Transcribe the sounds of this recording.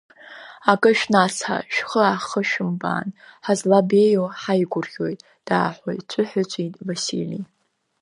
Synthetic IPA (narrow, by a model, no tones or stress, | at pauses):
akʼɨʃᶣnat͡sħa̰ʃᶣχəaχəʃᶣʊmba̰ːnħazlabejoħajɡʷʊrχʲo̞jtʼ | d̥a̰ːħo̰jt͡ʃʷʼʊħʊt͡ʃʷʼitʼvasḭli